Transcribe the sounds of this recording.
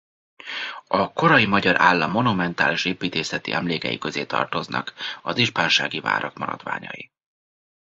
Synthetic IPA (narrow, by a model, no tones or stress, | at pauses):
ɒko̞ɾɒjimɒɟɒɾʔaːlːɒmːo̞numɛnt̪aːliʃeːpiːt̪eːsɛt̪iʔɛmleːkɛ̰jikø̞zeːt̪ɒ̰rt̪o̞znɒ̰kɒziʒpaːnʃaːɡiva̰ːɾɒkmɒɾɒd̪ʋa̰ːɲɒji